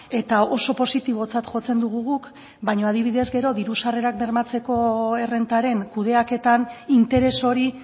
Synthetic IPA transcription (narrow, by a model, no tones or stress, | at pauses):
e̞t̪ao̞so̞po̞sit̪iβ̞o̞t͡sat̪ʝo̞t͡se̞nd̪uɣ̞uɣuk | bajɲo̞að̞iβ̞iðe̞zɡe̞ɾo̞ðiɾusare̞ɾakbe̞ɾmat͡se̞ko̞e̞re̞nt̪aɾe̞ŋkuð̞e̞ake̞t̪anint̪e̞ɾe̞so̞ɾi